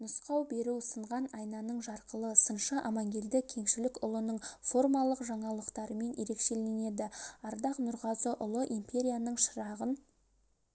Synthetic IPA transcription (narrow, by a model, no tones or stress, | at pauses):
nʊsqɑwbe̞ɾuwsəɴʁɑnɑjnɑnəɴʒɑɾqəlˠəsənʃəʔɑmɑŋɡʲe̞ld̪ɪkʲʰe̞ŋʃɪlɪkʊlˠənəɴfo̞rmɑlˠəqʒɑɴɑlˠəqt̪ɑɾəme̞nje̞ɾe̞kʃe̞le̞ne̞d̪ɪɑɾd̪ɑqnʊɾʁɑzəʔʊlˠəʔimpʲe̞ɾʲijanəɴʃəɾɑʁən